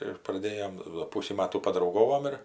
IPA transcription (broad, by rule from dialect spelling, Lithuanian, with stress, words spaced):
ɪr prɐˈdʲeːjoːm doː ˈpʊsʲiː ˈmɑːtuː pɐdrɐʊˈɡoːʋoːm ɪr